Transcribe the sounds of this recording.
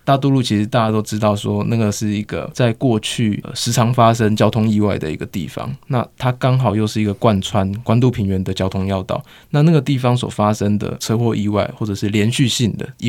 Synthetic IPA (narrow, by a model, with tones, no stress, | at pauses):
t̪a˥˧t̪̬u˥˧lu˥˨˩t͡ɕʰi˧˥ʂɻ̩˧˥t̪a˥˧t͡ɕa˥t̪̬o˥ʊʈ͡ʂɻ̩˦˥t̪ɑ˥˨˩ʊswɔ˦˥na˥˩ɡə˩ʂɻ̩˥˩i˧˦˥ɡ̥ə̰˨t͡sa˥˧ɪkwɔ˥˧t͡ɕʰy˥˩ʂɻ̩˧˥ʈ͡ʂʰɑ˧˥ŋfa˦ʂ̬ə˦˥ŋt͡ɕjɑ˥ʊt̪ʰʊ˥ŋi˥˧wa˥˩ɪd̪ə̰˩ḭ˧˦˥ɡə˨t̪ḭ˥˨˩fɑ̰˨˦ŋna̰˥˨t̪ʰa˥kɑ˥ŋxɑ˨˩ʊjo˥˧ʊʂɻ̩˥˩i˧˥ɡə˧kwa˥˧nt͡sʰwa˦nkwa˥nt̪u˥˩pʰi˧˥ŋɥɛ˧˥nd̪ə˨t͡ɕjɑ˥ʊt̪ʰo˥ŋjɑ˥˧ʊt̪ɑ̰˥˨˩ʊ | na˥˧na˥˩ɡə˩t̪i˥˩fɑ˦ŋs̬wɔ̰˨˩fa˦ʂə˥ŋd̪ə̰˨t͡sʰɤ˥˧xwɔ˥˧ʔi˥˧wa̰˥˩ɪxwɔ˥˩ʈ͡ʂə˨˩ʂɻ̩˥˩ljɛ˧˦˥nɕy˥˧ɕi˥˩ŋd̪ə̰˩i˧